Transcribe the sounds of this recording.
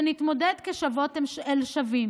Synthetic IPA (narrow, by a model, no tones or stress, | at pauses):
nit̪mo̞ded̪keʃavot̪emelʃavim